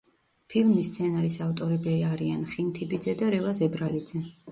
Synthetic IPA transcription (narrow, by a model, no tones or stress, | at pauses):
pʰilˠmist̪sʰɛnaɾisaft̪ʼɔɾɛbiaɾianχint̪ʰibid̪zɛd̪aɾɛvazɛbɾalid̪zɛ